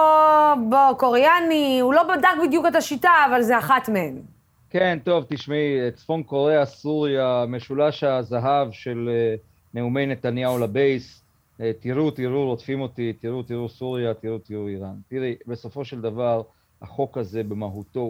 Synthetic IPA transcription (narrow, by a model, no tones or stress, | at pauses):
obokoʁeaniulo̞badakbidjuketaʃitaːvalzeaχatmeen | ke̞nt̪o̞vt̪iʃmiet͡sfo̞nko̞ʁe̞asuʁjame̞ʃulaʃazaɦavʃe̞le | ne̞umejne̞t̪anjaulabe̞js | t̪iʁut̪iʁuʁotfimo̞t̪it̪iʁut̪iʁusuʁjat̪iʁut̪iʁuiʁant̪iʁibe̞so̞fo̞ʃe̞ld̪avaʁ | ha̰χo̞kaze̞bemaɦut̪o